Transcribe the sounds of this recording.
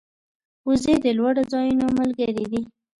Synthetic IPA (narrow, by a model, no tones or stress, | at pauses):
uzed̪əlwaɽod͡zɑjunoməlɡəɾid̪i